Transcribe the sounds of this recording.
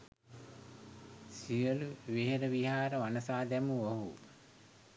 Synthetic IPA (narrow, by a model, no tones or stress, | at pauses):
sijəluʋeɦeɾəʋiɦaːɾəʋanəsaːd̪ɛmuoɦu